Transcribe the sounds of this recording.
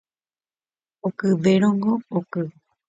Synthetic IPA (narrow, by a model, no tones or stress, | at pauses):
okɨʋeɾ̃õŋɡookɨ